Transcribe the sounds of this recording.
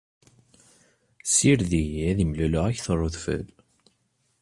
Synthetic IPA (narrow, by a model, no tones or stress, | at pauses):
siɾðiæðimlulʊʁæçθrˤːoðfə̰l